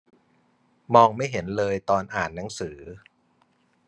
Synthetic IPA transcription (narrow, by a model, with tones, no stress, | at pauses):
mɔː˧ŋma˥˩jɦe˩˦nlɤː˧jt̪ɔː˧nʔaː˨˩nːa˩˦ŋsɯː˩˦